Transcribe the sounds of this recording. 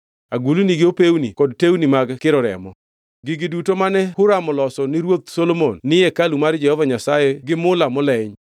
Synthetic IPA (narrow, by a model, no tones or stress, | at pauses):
aɡuluniɡɪopewnḭkɔdtewnimaɡkɪɾɔɾɛ̰mɔ̰ | ɡɪɡidutomanɛhʊɾamɔlɔsɔnɪɾwot̪solomonːɪjɛkalumaɾd͡ʒɛhɔvaɲasajɛɡɪmʊlamɔlɛɲ